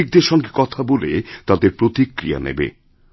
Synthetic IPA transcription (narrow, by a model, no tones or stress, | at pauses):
ik̚d̪eɾʃɔŋɡekɔt̪ʰabolet̪ad̪eɾpɾot̪ikɾija̰nḛbḛ